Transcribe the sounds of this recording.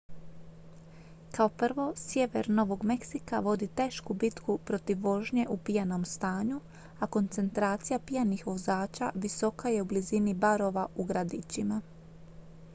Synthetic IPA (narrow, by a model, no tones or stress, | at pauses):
kao̞pr̩ʋo̞sje̞ʋe̞ɾno̞ʋo̞ɡme̞ksikaʋo̞d̪it̪e̞ːʃkubit̪kupɾo̞t̪iʋːo̞ʒɲe̞ʔupijano̞mst̪aːɲu | ako̞nt̪se̞nt̪ɾaːt̪sijapijanixʋo̞zaːt͡ɕa̰ʋiso̞kaje̞ublizinibaɾo̞ʋauɡɾad̪it͡ɕima